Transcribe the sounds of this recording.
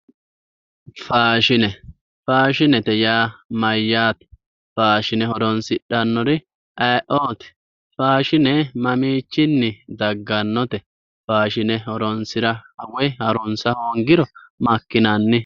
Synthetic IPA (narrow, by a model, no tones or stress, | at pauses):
faːʃɪnɛ | faːʃɪnɛt̪ɛjaːmɐjːaːt̪ɛ̥ | faːʃɪnɛhɔɾɔnsɪɗːɐnːɔɾɪ | ʔɐʔoːt̪ɛ̥ | faːʃɪnɛmɐmiːt͡ʃːɪnːɪd̪ɐɡːɐnːɔt̪ɛ | faːʃɪnɛhɔɾɔnsɪɾɐɐwɛhɐɾɔnsɐhɔŋɡɪɾɔmɐkːɪnɐnːɪ